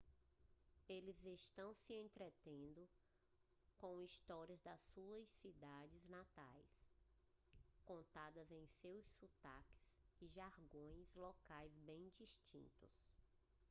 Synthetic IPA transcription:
elɪzest̪ɐ̃w̃sɪẽnt̪ɾet̪ẽnd̪ʊ | kõw̃ist̪ɔɾiɐzd̪ɐsuɐssid̪ad͡ʒɪznat̪ajs | kõnt̪ad̪ɐzẽj̃sewssut̪a̰kɪ̥z̥ɪʒaɾɡõj̃zlɔkajzbẽj̃d͡ʒiʃt͡ʃḭ̃nt̪ʊ̰s

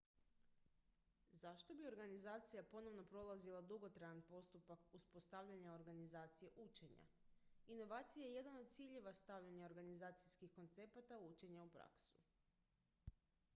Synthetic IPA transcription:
zaʃt̪o̞bio̞ɾɡanizaːt̪sijapo̞no̞ʋno̞pɾo̞lˠazilˠad̪uɡo̞t̪ɾajanpo̞st̪upakuspo̞st̪aʋʎaɲao̞ɾɡanizaːt̪sije̞ʔut͡ʃe̞ɲa̰ | ino̞ʋaːt̪sijajeje̞d̪anod̪̚t̪siʎe̞ʋast̪aʋʎaɲao̞ɾɡanizaːt̪sijskixko̞nt̪se̞pat̪aut͡ʃe̞ɲaupɾa̰ksu̥

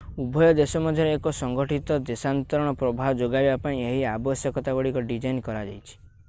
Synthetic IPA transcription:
ubʱɔjɔd̪esɔmɔd̪ʱjɔɾeːkɔsɔŋɡɔʈit̪ɔd̪esant̪ɔɾɔɽ̃ɔpɾɔbʱawɔd͡ʒoɡajbapãĩeɦiabɔsjɔkɔt̪aɡɔɽikɔɖid͡ʒajnkɔɾad͡ʒa̰jt͡ʃʰi̥

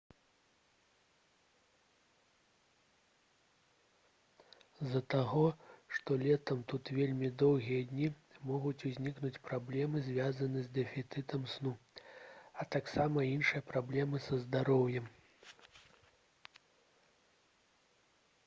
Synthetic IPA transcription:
zɐt̪aɣɔʂt̪ɔlʲɛt̪ɐmt̪ut̪vʲelʲmʲid̪ɔwɣʲijɐd̪ʲnʲi | mɔɣut͡sʲuzʲnʲiknut͡sʲpɾablʲɛmɨzʲvʲazɐnɨzʲd̪ɛfʲit̪sɨt̪ɐmsnu | ɐt̪aksamɐinʂɨjɐpɾablʲɛmɨsɐzd̪aɾɔwjɛm

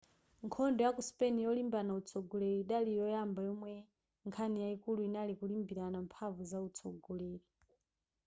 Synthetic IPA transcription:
ŋkʰɔndɔjakuspɛnijɔlimbanaut͡sʰɔɡɔlɛɾiiɗalijɔjambajɔmwɛ | ŋkʰanijaikuluinalikulimbiɾanampʰavuzaut͡sʰɔ̰ɡɔlɛːɾi

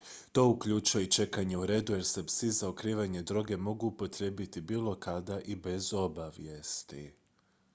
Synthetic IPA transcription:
t̪o̞ukʎut͡ʃujeit͡ʃe̞kaɲe̞uɾe̞ːd̪uje̞ɾse̞psizaokɾiːʋaɲe̞d̪ɾo̞ɡe̞mo̞ɡuːpo̞t̪ɾe̞ːbit̪ibiːlˠo̞kad̪aʔibe̞zo̞baʋje̞st̪ḭ

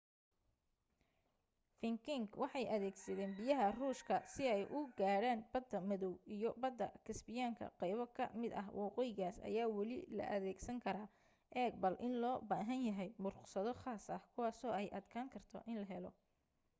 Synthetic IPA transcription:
fɪŋkʰɪŋɡwɑħɑjʔɐðɛːɡsɐðɛːnbɪjɐɦɐruːʃkʰɐsɪɛjʔʊɡaːɽaːnb̥ɐd̪ːɐmɐðɔwijɞbɐd̪ːɐ̰kʰɪsbɪjaːŋkʰɐ̰qɑjβɔkʰɐmɪd̪ɐ̰ɦwʔɑːqɔːjɪɣaːsɐ̰jaːwɑlɪ̰lɐ̰ʔɐðɛːɡsɐŋkʰɐɾaː | ʔɛːɡ̚bɐlʔɪnlɔːbaːɦɐnjɐɦɛjmʊrqsɐðɔχaːsɐhkʰʊwɑːsɔːɛjʔɐd̪kʰaːŋkʰɐrt̪ʰɔ̰ʔɪnlɐɦɛlɔ

